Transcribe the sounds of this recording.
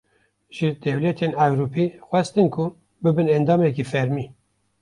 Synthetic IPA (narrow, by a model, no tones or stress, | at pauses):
ʒɨd̪̥ɛwlɛt̪ʰeːnæɡɾupiːxwɛst̪ɨnkʰʊ | bɨbɨnɛnd̪ɑːmɛkiːfɛɾmiː